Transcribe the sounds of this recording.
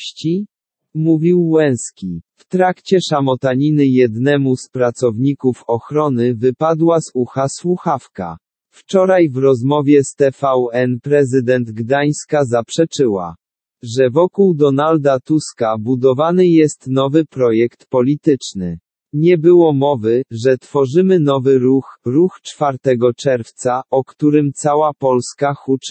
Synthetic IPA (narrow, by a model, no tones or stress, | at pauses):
t͡ɕi | muvʲiwːɛ̃w̃skʲift̪ɾakt͡ɕɛʂamɔt̪aɲinɘjɛd̪nɛmuspɾat̪sɔvɲikufɔxɾɔnɘvɘpad̪wazuxaswuxafka̰ | ft͡ʂɔɾajvɾɔzmɔvʲjɛst̪ɛfawɛnpɾɛzɘd̪ɛnd̪ɡd̪aj̃skazapʂɛt͡ʂɘwa̰ | ʐɛvɔkuwd̪ɔnald̪at̪uskabud̪ɔvanɘjɛst̪nɔvɘpɾɔjɛkt̪pɔlʲit̪ɘt͡ʂnɘ̰ | ɲɛbɘwɔmɔvɘʐɛt̪fɔʐɘmɘnɔvɘɾuxɾuxt͡ʂfaɾt̪ɛɡɔt͡ʂɛɾft̪saʔɔkt̪uɾɘmt̪sawapɔlskaxut͡ʂ